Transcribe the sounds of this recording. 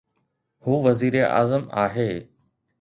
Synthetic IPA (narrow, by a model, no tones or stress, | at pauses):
huːʋɐziːɾeʔa̰ːzəma̰ːɦeː